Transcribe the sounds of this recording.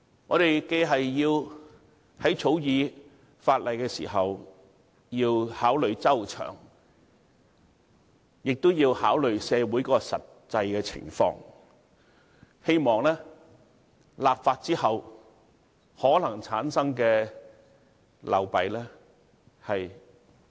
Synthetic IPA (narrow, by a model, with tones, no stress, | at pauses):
ŋɔː˨˧ɾe˨jke˧jɦɐ˨jjiː˧w | hɐ˨˥jt͡sʰo˨˥wjiː˨˧ | faː˧t̚lɐ˨jkɛː˧sḭː˨˩ɦɐ˨w | jiː˧whaː˨˥wlɵ˨ɥt͡sɐ˥wt͡ʃʰœ̰ː˨˩ŋ | jɪ˨k̚t̪o˥wjiː˧whaː˨˥wlɵ˨ɥsɛː˨˧wuː˨˥jkɔː˦˥kɔ˧sɐ˨t̚ | t͡sɐ˧jkɛː˧t͡sʰɪ̰˨˩ŋfɔ̰ː˧ŋ | he˥jmɔː˨ŋlɛː˥ | laː˨p̚faː˧t̚t͡siː˥hɐ˨w | hɔː˨˥lɐ˨˩ŋt͡sʰa̰ː˨˥nsɐ˥ŋkɛː˧ | lɐ̰˨wpɐ˨˥jlɛː˥ | hɐ˨j